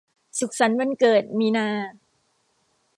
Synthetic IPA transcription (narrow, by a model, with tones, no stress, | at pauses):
su˨˩k̚sa˩˦nma˧nkɤː˨˩t̪̚miː˧naː˧